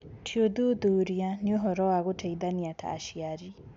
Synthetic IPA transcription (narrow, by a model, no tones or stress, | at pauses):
tʰiod̪ud̪uɾijanioɦɔɾɔaɣotʰeid̪aniatʰa̰ːʃiaɾi